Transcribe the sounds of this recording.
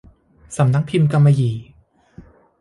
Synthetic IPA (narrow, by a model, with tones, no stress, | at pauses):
sa˩˦mna˦˥k̚pʰi˧mka˧mːa˧jiː˨˩˦